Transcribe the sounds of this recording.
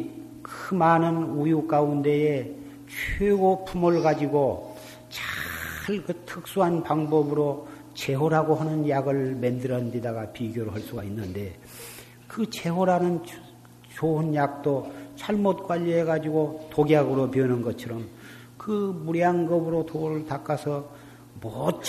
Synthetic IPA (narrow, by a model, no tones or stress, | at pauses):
kmanɯnujuk͈aunde̞e | t͡ɕʰweɡopʰumɯɭɡad͡ʑiɡo | t͡ɕaɭkɯtʰɯk̚s͈uɦanpaŋbʌbɯɾo | t͡ɕe̞ɦoɾɦaɡoɦanɯnjaɡɯɭmendɯɾʌndedaɡapiɡjoɾɯɦaɭs͈uɡainːɯnde̞ | kɯt͡ɕʰe̞ɦoɾanɯn | t͡ɕoɯnjak̚t͈ot͡ɕʰaɭmot̚kwaʎːʌe̞ɡad͡ʑiɡotoɡjaɡɯɾopiʌnɯnɡʌt͡ɕʰʌɾʌm | kɯmuɾjaŋɡʌbɯɾotoɯɭtak͈asʰʌ | mʌt͡ɕ